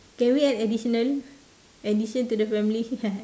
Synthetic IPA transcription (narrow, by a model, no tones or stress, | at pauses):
kɛ̃nwiɛtɛdiʃɔnal | ɛdiʃə̃nt̪udəfɛ̃mili